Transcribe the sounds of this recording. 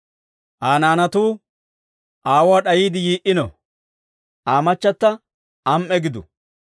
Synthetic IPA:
ʔaːnaːnɐt̪uː | ʔaːwaːɗɐjiːd̪ɪjiːʔɪnɔ | ʔaːmɐt͡ʃːɐt̪ːɐ | ʔɐmʔɛɡɪd̪ʊ̰

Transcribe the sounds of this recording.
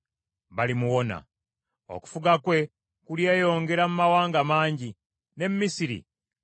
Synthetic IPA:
βalimuwo̞na̰ | o̞̰ku̥fuɡakwe̞ | kuljeːjo̞ːŋɡe̞ɾamumawaːŋɡamaːɲɟi | ne̞mmisiɾḭ

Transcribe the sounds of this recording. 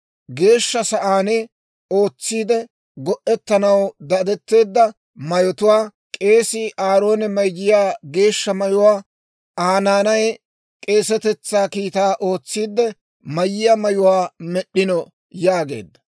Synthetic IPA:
ɡe̞ːʃːɐsɐʔaːnɛ | o̞ːt͡sːiːd̪ɛ | ɡɔʔːɛt̪ːɐnɐwd̪ɐd̪ɛt̪ːe̞ːd̪ːɐ | mɐjɔt̪ʊwaː | kʼeːsɪʔaːɾo̞ːnɛmɐjd͡ʒɪjaːɡe̞ːʃːɐmɐjʊwaː | aːnaːnɐj | kʼe̞ːsɛt̪ɛt͡sːaːkiːt̪aːʔo̞ːt͡sːiːd̪ːɛ | mɐjɪjɐmɐjʊwaːmɛɗɪnɔ | jaːɡe̞̰ːd̪ːɐ̥

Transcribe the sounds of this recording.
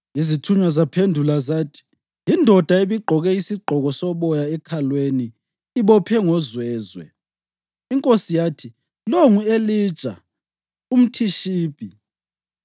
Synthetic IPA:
izitʰuɲwazapʰendʱulazaːtʰi̥ | jindʱɔd̥ʱaeβiɡ͡ǃʱɔɣɛisiɡ͡ǃʱɔɣɔsɔβɔjaɛkʰalweniː | βɔpʰɛŋɔzwɛːzwɛ̰ | iŋkʼosijaːtʰi | loŋueli̥t͡ʃʼa̰ | um̩tʰiʃiːpʼi

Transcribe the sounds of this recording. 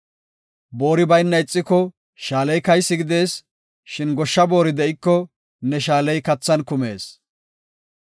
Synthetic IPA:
boːɾɪbɐjnːɐɪt͡sʼːɪkːɔ | ʃaːlɛjkɐjsːɪɡɪd̪e̞ːs | ʃɪnɡɔʃːɐbo̞ːɾɪd̪ɛʔɪkːɔ | nɛʃaːlɛjkɐt͡sːɐnkʊme̞ːs

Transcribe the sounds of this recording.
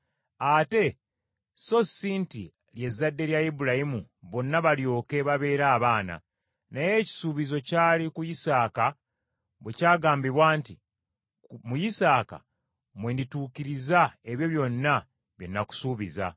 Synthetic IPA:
ate̞ | so̞siːntḭ | lje̞zːadːe̞ɾjaibuɾajimu | βo̞nːaβaljo̞ːke̞βaβe̞ːɾaːβaːna̰ | naje̞ːci̥suːβizo̞caːlikujisaːka | βwe̞caːɡaːmbiβwaːnti | mujisaːka̰ | mweːndituːkiɾizae̞βjo̞βjo̞nːa | βje̞nːaku̥suːβiza̰

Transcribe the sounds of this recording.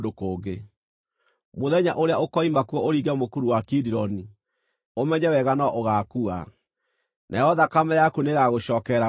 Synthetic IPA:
dokoːɡe | moðɛɲaʔoɾeaokɔimakuɔoɾiːɣɛmokuɾuwakidiɾɔni | omɛɲɛwɛɣanɔʔoɣakua̰ | nʔa̰jɔðakamɛjakuneɣaɣoɕɔːkɛɾa

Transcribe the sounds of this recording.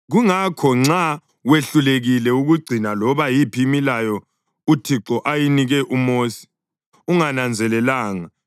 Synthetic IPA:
ɣuŋakʰɔŋ͡ǀa | weɬuleɣilɛuɣuɡ͡ǀʱinalɔβajipʰimilajɔ | utʰiǁɔʔajiniɣɛʔumoːsi̥ | uŋanand͡zʱɛlɛlaːŋa

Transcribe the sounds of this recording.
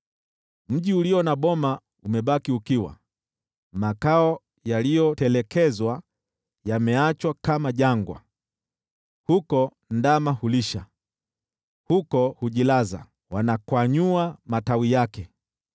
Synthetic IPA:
m̩ʄiuliɔnaɓɔma | umɛɓakiukiwa̰ | makaɔ | jalijɔtɛlɛkɛzwa | jamɛat͡ʃwakamaʄaŋɡwa̰ | hukɔ | ndamahuliʃa | hukɔhuʄilaza̰ | wanakwaɲuamatawijakɛ

